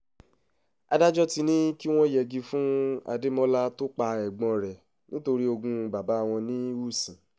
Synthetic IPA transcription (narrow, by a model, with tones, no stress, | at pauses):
a̰˧da˦d͡ʒɔ˦ti˧nĩ˦ki˦w̃ɔ̃˦˨jɛ˨ɡi˧fũ˦a̰˧de˦mɔ˦la˦to˦k͡pa˧ɛ˨ɡ͡bɔ̃˧ɾɛ˨ | nĩ˦to˧ɾi˦o˧ɡũ˧ba˨ba˨˦a˧w̃ɔ̃˧nĩ˦u˦˨sĩ˨